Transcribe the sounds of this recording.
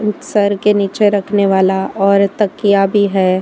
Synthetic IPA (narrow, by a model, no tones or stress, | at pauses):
sɐɾkeniːt͡ʃeɾɐkʰneʋaːlaɔːɾt̪ɐkijabʱiɦɛː